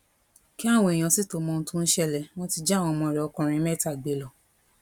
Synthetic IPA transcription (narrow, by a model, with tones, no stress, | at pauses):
ki˦a˦˨w̃ɔ̃˧e˨j̃ã˧˨si˦to˨˧mɔ̃˧ñ̩˧˦tũ˦n̩˦ʃɛ˧lɛ˨w̃ɔ̃˦ti˧d͡ʒa˦˨w̃ɔ̃˧mɔ̃˧ɾɛ˨ɔ˧kũ˨˧ɾ̃ĩ˧˦mɛ˦˨ta˦˨ɡ͡be˨˦lɔ˨